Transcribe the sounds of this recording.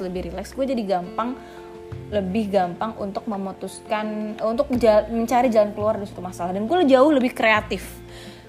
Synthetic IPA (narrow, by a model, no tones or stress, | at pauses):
ləbɪhɾilɛksɡuad͡ʒadiɡampaŋ | ləbɪhɡampaŋṵnt̪ʊk̚məmot̪uskanunt̪ʊk̚d͡ʒaməɲt͡ʃaɾid͡ʒalankəluardaɾisḁt̪umasalahdanɡuald͡ʒaʊhləbɪhkɾeat̪ɪf